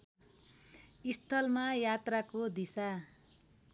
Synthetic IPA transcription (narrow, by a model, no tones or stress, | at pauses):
ist̪ʰʌlmajat̪rakod̪isa